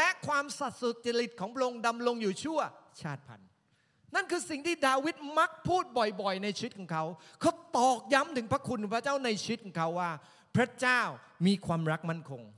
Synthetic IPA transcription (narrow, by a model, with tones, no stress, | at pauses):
lɛ˦˥ʔkʰwaː˧msa˨˩t̪̚su˨˩t̪̚t͡ɕa˧ɾi˨˩t̪̚kʰɔː˩˦ŋpʰɾa˥ʔo˧ŋda˧mlo˧ŋjuː˨˩t͡ɕʰu˥˩ɐt͡ɕʰaː˥˩t̪̚pʰa̰˧n | na˥˩nkʰɯː˧si˨˩ŋt̪ʰiː˥˩daː˧wi˦˥t̪̚ma˦˥k̚pʰuː˥˩t̪̚bɔ˨˩jbɔ˨˩jna˧jt͡ɕʰi˧˦˥t̪̚kʰɔː˩˦ŋkʰa˦˥wkʰa˦˥wt̪ɔː˨˩k̚ja˦˥mt̪ʰɯ˩˦ŋpɾa˦˥kʰu˧nt̪ːpʰa˥t͡ɕaː˥˩wna˧jt͡ɕʰi˧˦˥t̪̚kʰɔː˩˦ŋkʰa˦˥wːaː˥˩ | pʰɾa˦˥t͡ɕaː˥˩w | miː˧kʰwaː˧mɾa˦˥k̚ma˥˩nkʰo˧ŋ